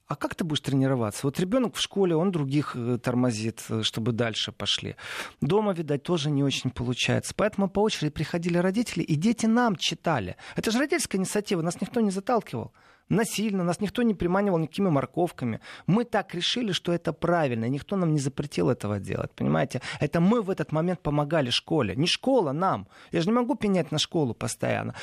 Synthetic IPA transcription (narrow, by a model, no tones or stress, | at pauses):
akakt̪ɨbudʲɪʂt̪ɾʲɪnʲɪɾɐva̰t̪səvo̞t̪ɾʲɪbʲo̞nəkfʂko̞lʲɪo̞nd̪ɾʊɡʲixt̪ərmɐzʲit̪ʂt̪o̞bɨd̪alʲʂɨpɐʂlʲḭd̪o̞məvʲɪd̪at̚ʲt̪o̞ʐɨnʲɪo̞t͡ɕɪnʲpəlˠʊt͡ɕæ̰jɪ̰t̪sə̥pɐɛt̪əmʊpɐo̞t͡ɕɪɾʲɪdʲɪpɾʲɪxɐdʲilʲɪɾɐdʲitʲɪlʲɪʔɪdʲetʲɪnamt͡ɕːɪt̪alʲɪ̰ɛt̪əʐɨɾɐdʲitʲlʲskəɪnʲɪt̪sɐtʲivənasnʲɪk̚t̪o̞nʲɪzɐt̪alˠkʲɪvə̰lˠ | nɐsʲilʲnənasnʲɪk̚t̪o̞nʲɪpɾʲɪmanʲɪvəlˠnʲɪkɐ̥kʲimʲɪmɐrko̞fkəmʲɪ̰mɨt̪akɾʲɪʂɨlʲɪʂt̪o̞ɛt̪əpɾavʲɪlʲnəɪnʲɪkt̪o̞namnʲɪzəpɾʲɪtʲilˠɛt̪əvə̰dʲḛlˠə̰t̚ʲpənʲɪ̰ma̰jɪtʲɪɛt̪əmɨvɛt̪ət̪mɐmʲe̞nt̪̚pəmɐɡalʲɪʂko̞lʲɪ̰nʲɪʂko̞lˠənamjaʐɨnʲɪmɐɡupʲɪnʲætʲnɐʂko̞lˠʊpəst̪ɐ̰ja̰nːə̰